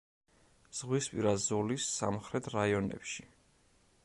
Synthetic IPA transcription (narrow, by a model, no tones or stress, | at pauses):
z̥ʁwispʼiɾazɔlisːa̰mχɾɛt̪ʰɾaiɔnɛ̰pʃi